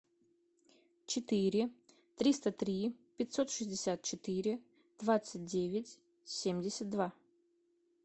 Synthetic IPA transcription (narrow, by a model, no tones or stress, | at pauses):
t͡ʃɪt̪ɨɾʲɪ | t̪ɾʲist̪ɐt̪ɾʲipʲɪt̪ʲsot̪ʂɨzʲdʲɪsʲat̪̚t͡ʃɪt̪ɨɾʲɪ | d̪̥vat̪sɨt̚ʲdʲevʲɪtʲ | sʲemʲdʲɪsʲɐt̪̚d̪va